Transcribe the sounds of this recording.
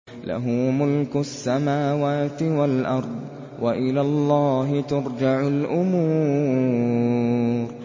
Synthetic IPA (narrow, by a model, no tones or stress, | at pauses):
la̰ɦʊːmʊlkʊasːamaːwaːt̪ɪwalʔɑɾˤd̪ˤ | wʔaʔɪlaːlˤːɑːɦɪt̪ʊɾˤd͡ʒaʕʊlʔʊmuː | ɾ